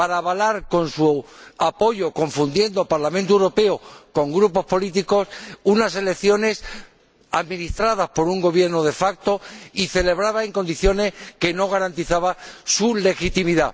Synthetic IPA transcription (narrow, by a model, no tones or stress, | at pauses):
paɾaːβalaɾko̞nsuapo̞ʝoko̞ɱfund̪je̞nd̪oapaɾlament̪oewɾo̞pe̞oko̞ŋɡɾupo̞spo̞lit̪iko̞sunase̞le̞kθjo̞ne̞s | aðmĩnist̪ɾaðaspo̞ɾuŋɡo̞βje̞ɾnoðe̞fak̚t̪o̞iθe̞le̞β̞ɾaβaeŋko̞nd̪iθjo̞ne̞ske̞no̞ɣ̞aɾant̪iθaβasule̞xit̪imiða